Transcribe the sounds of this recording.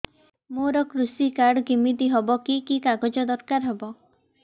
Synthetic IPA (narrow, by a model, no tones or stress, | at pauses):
moɾɔkɾusikaɾɖɡimit̪iɦɔbɔkikikaɡɔd͡ʒɔd̪ɔɾkaɾɦebɔ